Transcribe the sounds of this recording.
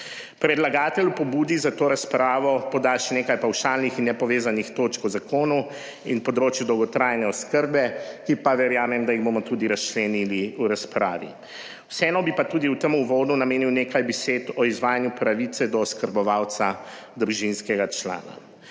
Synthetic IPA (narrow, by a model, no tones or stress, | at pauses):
pɾɛd̪laɡaːt̪ɛlupɔbuːd̪izat̪oːɾaspɾaːʋɔpɔd̪aʃɛnekajpawʃaːlnixinːɛpɔʋeːzanixt̪oːt͡ʃkɔzakoːnu | inpɔd̪ɾoːt͡ʃjud̪ɔwɡɔt̪ɾaːjnɛɔskəɾbɛkipaʋɛɾjaːmɛmd̪ajiɣbomɔt̪uːd̪iɾast͡ʃlɛniliuɾaspɾa̰ːʋḭ | wsɛɛnɔbipat̪uːd̪iuwt̪əmuʋoːd̪nunameːniwneːkajbɛseːt̪ɔizʋaːjanjupɾaʋit̪sɛd̪ɔːskəɾbɔʋaw̪sad̪ɾuʒinskɛɡat͡ʃla̰ːna̰